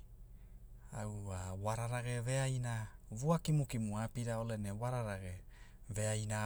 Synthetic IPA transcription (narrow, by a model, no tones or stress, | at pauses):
awawaɾaɾaɡe̞ve̞ajnavuakimukimuapiɾao̞le̞newaɾaɾaɡeve̞ajna